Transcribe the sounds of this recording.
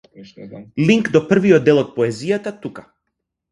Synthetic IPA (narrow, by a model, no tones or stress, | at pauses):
liŋkd̪ɔpr̩viɔd̪ːɛlˠɔt̪̚pɔɛzijat̪at̪ukḁ